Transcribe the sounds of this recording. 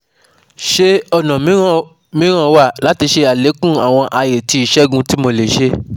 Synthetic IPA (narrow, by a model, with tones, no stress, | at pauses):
ʃe˧ɔ˧nã˨mĩ˨˦ | mĩ˨˦ɾ̃ã˦wa˦˨la˨˦ti˧ʃe˧a˨le˨˦kũ˦˨a˨w̃ɔ̃˧ʔa˧je˨ti˧i˨ʃɛ˦ɡũ˦ti˦mo˧le˨ʃe˧